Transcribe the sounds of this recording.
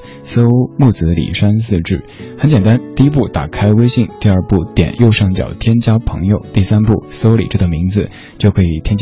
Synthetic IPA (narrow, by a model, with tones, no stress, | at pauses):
so˥ʊmu˥˩t͡sɹ̩˧˥lḭ˨˩ʂa˥nsɹ̩˥˧ʈ͡ʂɻ̩˥˩xə˧˥nt͡ɕjɛ˨˩nt̪a˥nt̪i˥˩i˥pu˥˩t̪a̰˨˩kʰa˥ɪwe˥ɪɕi˥˩ŋt̪i˥˧ɐə˞˥˧pu˥˩t̪jɛ̰˨˩njo˥˧ʊʂɑ˥˩ŋt͡ɕjɑ̰˨˩ʊt̪ʰjɛ˥nt͡ɕjɑ˥ʊpʰɤ̰˧˥ŋjo˨˧ʊt̪i˥˩sa˥npu˥˩so˥ʊlḭ˨˩ʈ͡ʂɤ˥˩d̪ə˨˩mi˧˥ŋd͡zɹ̩˧ | t͡ɕjo˥˩ʊkʰɤ˧˥i˨˩t̪ʰjɛ˥nt͡ɕ